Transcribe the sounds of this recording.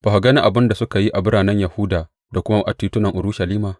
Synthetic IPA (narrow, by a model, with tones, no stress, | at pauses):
b̥a˨ha˨ɡɐ˦ni˦ʔa˨bɪ˦nda˨sʊ˦ka˨ji˦ʔa˨bɪ˦ɾaː˨nɛ˦ɲja˨hʊ˦daː˨ | da˨kʷʊ˦ma˦ʔa˨tiː˨tʊ˦nɐ˨ŋʔʊ˨ɾuː˦ʃɐ˨liː˦maː˨